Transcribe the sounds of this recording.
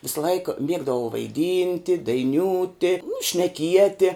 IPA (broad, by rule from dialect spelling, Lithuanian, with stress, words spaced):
ʋʲɪsɐˈlˠɐɪk ˈmʲiɛɡdɐʋɐʊ ʋɐɪˈdʲiːnʲtʲɪ dɐɪˈnʲuːtʲɪ ʃʲnʲɛˈkʲiɛtʲɪ